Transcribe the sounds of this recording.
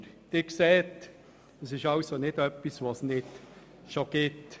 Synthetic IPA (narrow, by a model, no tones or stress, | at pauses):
d̥ɪkseːt | əsɪʃɑʊsonɪdœpːisvosnɪt | ʃoɡ̥ɪt